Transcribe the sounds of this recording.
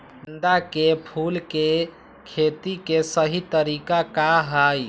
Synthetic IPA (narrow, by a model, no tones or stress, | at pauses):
bnd̪akepʰulke | kʰet̪ikesəɦit̪əɾikakaɦaj